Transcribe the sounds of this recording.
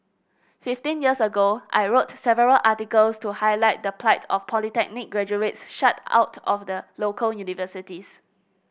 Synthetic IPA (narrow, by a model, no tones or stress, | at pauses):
fiftĩnjiəsəɡoʔa̰ɪɹotsɛvəɹəlʔatikəlstuhaɪlaɪt̚dəpʰlaɪtʰɔfpʰɔlitɛk̚nɪk̚ɡɹɛd͡ʒuetsʃatʰa̰ʊtʰɔfdəlokʰəljunivəsitis